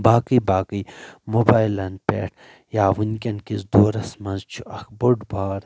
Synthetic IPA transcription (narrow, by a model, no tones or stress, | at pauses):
baːkɨjbaːkəjmobaːjlɐnpḛːʈ | jaːʋunkʲɐnkizd̪oːɾɐsmɐnzt͡ʃʰuɐkboɖbaːɾ